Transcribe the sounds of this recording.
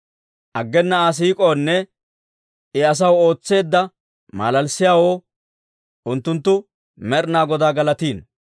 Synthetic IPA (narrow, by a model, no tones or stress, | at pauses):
ʔɐɡːɛnːɐas̬iːkʼo̞ːnːɛ | ɪɐs̬ɐwo̞ːt͡sːe̞ːd̪ːɐ | ma̰ːlɐlsɪjaːwo̞ː | ʊnt̪ːʊnt̪ːʊ | mɛɾnaːɡɔd̪aːɡɐlɐt̪iːn